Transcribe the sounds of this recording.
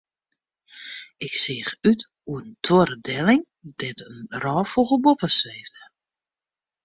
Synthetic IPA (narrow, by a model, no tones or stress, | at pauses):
ɪksɪːxyt | uəntʰoɾədɛlɪŋ | d̥ɛtənrɔːfoɣəbopəsʋeːvdə